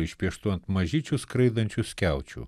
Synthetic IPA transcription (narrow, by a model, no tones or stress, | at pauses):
iʃʲpʲjɛʃt̪uɐnt̪mɐʒʲit͡ʃʲuskɾɛjd̪ɐnʲt͡ʃʲusʲkʲawt͡ʃʲṵ